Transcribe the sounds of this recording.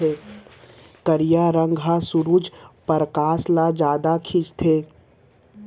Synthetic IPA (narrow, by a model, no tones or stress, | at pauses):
eː | kəɾjaːɾə̃ŋɡɦãsʊɾuːd͡ʒpəɾkaːslad͡ʒaːd̪akʰɪt͡ʃt̪ʰeː